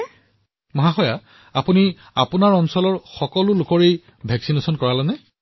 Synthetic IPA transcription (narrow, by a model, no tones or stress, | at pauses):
mɔɦaxɔja | apuni | apunaɹɔnsɔlɔɹxɔkɔlʊlʊkɔɹej | bʱɛksinesɔnkɔɹalɛnɛ